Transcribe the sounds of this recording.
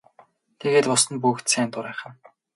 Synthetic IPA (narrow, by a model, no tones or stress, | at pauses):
t̪ʰeɣeːt̪pʊsə̆npuxt̪sæːnt̪ʊɾæːχə̆n